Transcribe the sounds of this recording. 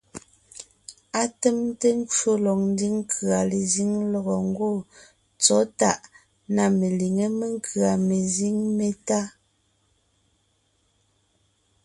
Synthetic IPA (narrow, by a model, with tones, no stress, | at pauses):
a˦te˦mte˦ŋ˦ko˦lɔ˨k̚n̩˦di˦ŋ˦kʰɰa˨le˨zi˦ŋlɔ˦ɣɔ˨ŋ̩˦ɡo˦˨ | t͡sɔ˨˦ta˦ʔ | na˨me˨li˨ŋe˦me˦ŋ˦kɰa˨me˨zi˦ŋme˨ta˦